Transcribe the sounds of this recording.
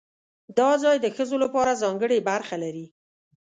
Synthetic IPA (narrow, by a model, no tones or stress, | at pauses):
d̪ɑzɑjd̪əxəzolapɑɾazɑŋɡəɽebaɾxalaɾi